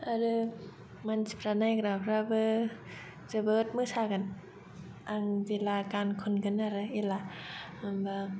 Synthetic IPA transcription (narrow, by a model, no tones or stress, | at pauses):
aɾɯ | mansipʰɾanajkɾapʰɾabɯ | d͡ʒɯbət̪̚mɯsʰakan | ʔaŋd͡ʒilakankʰonkɯnaɾɯila | mba